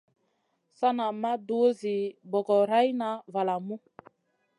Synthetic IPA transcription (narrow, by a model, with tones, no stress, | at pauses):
sa˦na˨ma˦do˨˦zi˨bɔ˨ɡɔ˨ɾa˦jna˨˦va˨la˨mu˦